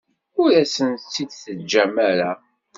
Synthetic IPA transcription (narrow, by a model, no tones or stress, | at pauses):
ʊɾæsənt͡sːid̪θəd͡ʒæmæɾa